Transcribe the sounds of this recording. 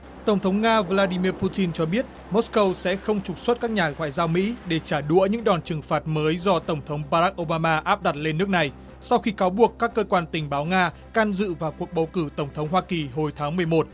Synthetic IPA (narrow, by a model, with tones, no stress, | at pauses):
t̪ə˧˩wŋ͡mt̪ʰə˨˦wŋ͡mŋaː˧vlaː˧ɗi˧mi˧əpu˧t̪i˧nt͡ɕɔ˧ɓi˦˥ət̚ | mo˦˥skə˧wsɛ̰˧˥xə˧wŋ͡mt͡ɕʊ˨˩k͡p̚swə˦˥t̚kaː˦˥k̚ɲaː˨˩ŋwa̰ː˧˨jzaː˧wmḭ˧˥ɗe˧˩t͡ɕaː˧˩ɗṵ˧˥əɲɨ̰˧˥ŋɗɔ˨˩nt͡ɕɨ˨˩ŋfaː˨˩t̚məː˨˦jzɔ˧t̪ə˧˩wŋ͡mt̪ʰə˨˦wŋ͡mɓaː˧ɾaː˦˥k̚ʔo˧wɓaː˧maː˧ʔaː˦˥p̚ɗa˨˩t̚le˧nːɨ˦˥ək̚na˨˩j | sa˧wxi˧kaː˨˦wɓu˨˩əkːaː˦˥kːəː˧kwaː˧nt̪ï˨˩ŋ̟ɓaː˨˦wŋaː˧ | ka˧nzɨ̰˧˨vaː˨˩wku˨˩ək̚ɓə˨˩wkɨ˧˩t̪ə˧˩wŋ͡mt̪ʰə˨˦wŋ͡mɦwaː˧ki˨˩ɦo˨˩jt̪ʰaː˨˦ŋmɨ˨˩əjmo˨˩t̚